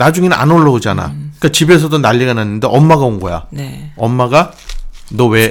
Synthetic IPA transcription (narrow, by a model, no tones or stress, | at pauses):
nad͡ʑuŋeɯa̰noɭːʌud͡ʑana̰k͈at͡ɕibe̞s̬ʰʌdonaʎːiɡananːɯndeʔʌmːaɡaoŋɡʌja̰neʌmːaɡa | nʌwe̞